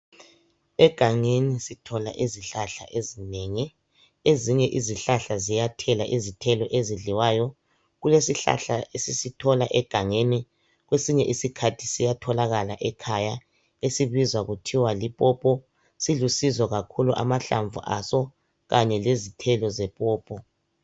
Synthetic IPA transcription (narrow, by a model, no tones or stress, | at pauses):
ɛɡ̥ʱaŋenisitʰɔla̰ʔiziɬaɬa̰ʔezineːŋi | eziɲɛʔiziɬaɬazijatʰɛlaʔizitʰɛlɔʔeziɮiwaːjɔ | ɣulesiɬa̰ɬa̰ʔesisitʰɔlaʔɛɡ̥ʱaŋeni | ɣwesiɲɛʔisikʰatʰi̥sijatʰɔlaɣalaʔɛkʰaja | esiβizwaɣutʰiwalipʼɔpʼɔ | silusizɔɣakʰuluʔa̰maɬa̰ɱvṵʔasɔ | ɣaɲɛlezitʰɛlɔzɛpʼɔːpʼɔ